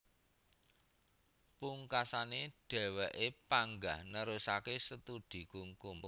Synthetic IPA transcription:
puŋkasaneɖ̥ɛ̤wɛʔepaŋɡahnəɾusakesət̪ud̪̥i̤kuŋkʊm

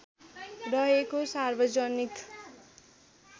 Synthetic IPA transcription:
rʌɦekosarbʌd͡zʌnik̪

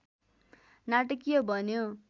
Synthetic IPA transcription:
naʈʌkijobʱʌnjo

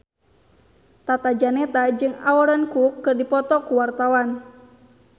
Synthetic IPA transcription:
t̪at̪ad͡ʒanɛt̪ad͡ʒɨŋa̰ɔɾankukːɨrdipɔt̪ɔkuwart̪awan

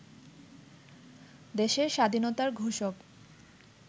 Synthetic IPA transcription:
d̪eʃeɾʃad̪ʱinot̪aɾɡʱuʃok

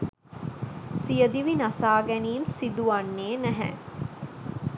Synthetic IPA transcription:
sijəd̪iʋinɐsaːɡɛniːmsid̪uɐnːeːnæɦɛ̰

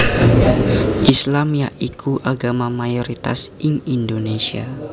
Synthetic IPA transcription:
ʔislamjaʔikʰuʔaɡamamajoɾit̪a̰siŋindonesia̰

